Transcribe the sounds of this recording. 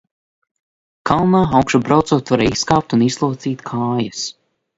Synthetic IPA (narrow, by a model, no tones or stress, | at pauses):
kʰalˠnaːawkʃubɾawt̪suːt̪vaɾaiskaːp̚t̪unizlˠuɔt̪siːt̪kʰaːjas